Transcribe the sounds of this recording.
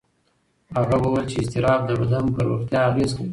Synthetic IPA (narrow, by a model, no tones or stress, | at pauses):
haɣawəwəlt͡ʃeɪst̪ɪɾɑb̚d̪əɾod̪ampəɾoxt̪jɑːlezkai